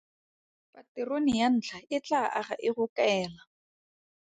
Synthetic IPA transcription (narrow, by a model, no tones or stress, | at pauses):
patɪronɪjan̩ːt͡ɬʰaɪt͡ɬaʔaχa̰ʔɪχʊkɛːla